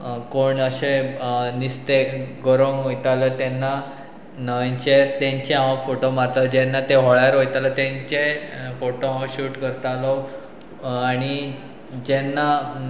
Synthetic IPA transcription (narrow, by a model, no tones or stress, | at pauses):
koɳəɕenist̪eɡoɾõŋɦojt̪alət̪ɛnːa | nəʋeɲt͡ɕeɾt̪ẽɲt͡ɕeãʋə̃foʈomaɾt̪əd͡ʑɛnːat̪eɦoɭjaɾɦojt̪alət̪ẽɲt͡ɕefoʈoɦãʋə̃ɕuːʈkəɾt̪alɔ | aɽ̃i | d͡ʑenːa